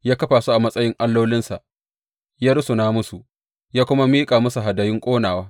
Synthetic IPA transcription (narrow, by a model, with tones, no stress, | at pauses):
jaː˦kɐ˦ɸaː˨su˦ʔa˨mɐ˦sʼɐ˦jɪ˦ŋʔa˦lːoː˦lɪ˦nsa˨ | jaː˦ɾʊ˦su˨naː˦mʊ˦su˨ | jaː˦kʷʊ˦ma˦miː˦kʼaː˨mʊ˦su˨ɦa˨dɐ˨jɪ˦ŋkʷʼoː˦naː˨waː˦